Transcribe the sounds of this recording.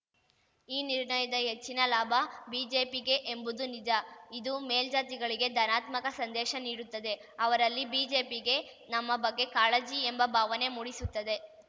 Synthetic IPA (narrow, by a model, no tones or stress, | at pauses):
iːniɾɳɐjɐd̪ɐɦet͡ʃːinɐlaːbʱɐbiːd͡ʒe̞ːpiɡe̞ʔembud̪unid͡ʒɐid̪umeːld͡ʒaːt̪iɡɐɭiɡe̞d̪ʱɐnaːt̪mɐkɐsɐnd̪ɛːʃɐniːɽut̪ːɐd̪e̞ | ɐʋɐɾɐlːibiːd͡ʒe̞ːpiɡe̞ | nɐmːɐbɐɡːe̞kaːlɐd͡ʒiembɐbʱaːʋɐne̞muːɽisut̪ːɐd̪e̞